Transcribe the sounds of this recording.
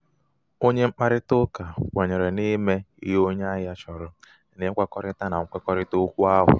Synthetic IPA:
o˦ɲe˦ŋ͡m̩˦k͡pa˦ɾɪ˦tʊ˦ka˨kʷe˨ɲe˨ɾe˨ni˦me˦ḭ˦ɦo˦ɲ˦a˦ja˦t͡ʃɔ˨ɾʊ˨ | nɪ˦kʷa˦kɔ˦ɾɪ˦ta˦na˨ŋ̩˦kʷe˦kɔ˦ɾɪ˦tʊ˦kʷu˦a˦ɦʊ̰˨

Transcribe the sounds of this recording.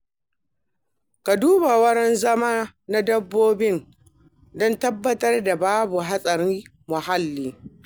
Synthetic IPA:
ka˨duː˦ba˨wɐ˦ɽɛ˦nzɐ˦maː˦ | na˦dɐ˦bːoː˦bɪ˦n | dɔ˦ntɐ˦bːɐ˦tɐ˦rda˨baː˦bu˨ɦa˦sʼɐ˨ɾɪ˦ | mʊ˨ha˦lːiː˨

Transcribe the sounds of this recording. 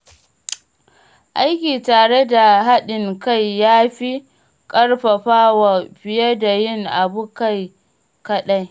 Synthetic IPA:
ʔa˦jkʲiː˨taː˨ɽe˦da˨ɦa˦ɗɪ˨ŋka˦jːaː˦ɸi˦ | kʼɐ˦ɽɸɐ˨ɸaː˦wa˨ɸɪ˨jɐ˦da˨jɪ˦ŋʔa˨bu˦ka˦j | kɐ˦ɗa˦j

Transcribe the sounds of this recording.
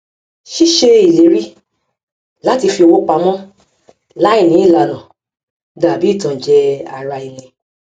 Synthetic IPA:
ʃi˦ʃe˧i˨le˨˦ɾi˦ | la˨˦ti˧fi˧o˧wo˦k͡pa˧mɔ̃˦ | la˦i˦˨nĩ˨˦i˦˨la˧nã˨ | da˨bi˨˦i˦˨tã˨d͡ʒɛ˧a˨ɾa˧i˨lĩ˧

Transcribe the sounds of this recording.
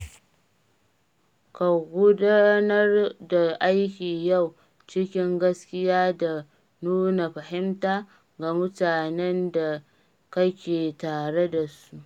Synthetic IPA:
ka˨ɡʷʊ˦da˦nɐ˦rda˨ʔa˦jkʲiː˨ja˦˨w | t͡ʃɪ˦kʲɪ˦ŋɡɐ˦skʲɪ˦jaː˦da˨ | nuː˦na˨ɸɐ˨ɦɪ˦mtaː˦ | ɡa˨mʊ˦taː˨nɛ˦nda˨ | kɐ˦kʲeː˨taː˨ɽe˦da˨su˦ʔ

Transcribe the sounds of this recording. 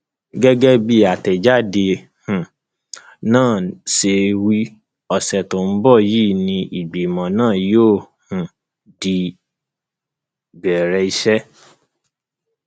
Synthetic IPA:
ɡɛ˦ɡɛ˦bi˧a˨tɛ˨d͡ʒa˦de˧ | hũ˨ | nãː˦˨ʃe˧wi˦ | ɔ˧˨sɛ˨to˨m̩˦bɔ˦˨jiː˦˨nĩ˧ʔi˨ɡ͡bi˨mã˨nãː˦˨joː˦˨ | hũ˨ | di˧ | bɛ˨ɾɛ˧˦i˧ʃɛ˦

